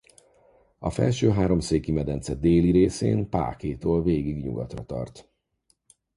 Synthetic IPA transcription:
ɒfɛ̰lʃøːɦaːɾo̞mseːkimɛd̪ɛnt̪sɛd̪eːliɾeːsḛːnpa̰ːkeːt̪oːlveːɡiɡɲṵɡɒt̪rɒt̪ɒ̰rt̪

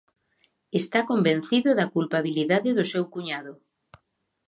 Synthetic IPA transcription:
est̪akomben̟θiðʊðɐkulpaβiliðaðɪðʊsewkuɲaðʊ

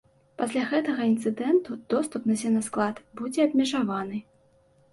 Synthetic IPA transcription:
pasʲlʲaɣɛt̪ɐɣɐint̪sɨd̪ɛnt̪ud̪̥ɔst̪upnɐzʲɛnɐsklˠat̪bud͡zʲɛɐb̚ʲmʲɛʐavanɨ

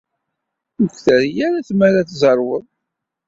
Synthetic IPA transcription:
əkːθəɾjæɾæθmæɾaθzˤɑɾˤwəðˤ

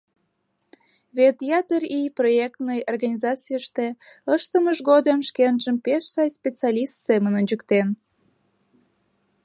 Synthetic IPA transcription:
βet̪jɑt̪əriproek̚t̪nəjorɣɑnʲizɑt͡sijəʃt̪eəʃt̪əməʒɣod̪əmʃkenʒəmpeʃsɑjspʲet͡sɑlʲist̪semənonʲd͡ʑəkt̪en

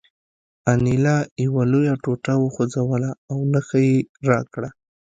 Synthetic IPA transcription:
anilɑjawalojaʈoʈawəxod͡zawəlaːwnəxajeɾɑkɽa

